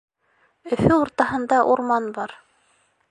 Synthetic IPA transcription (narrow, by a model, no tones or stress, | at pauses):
ɵ̆fɵuɾt̪ɑhɤ̆nd̪ɑʔuɾmɑnbɑɾ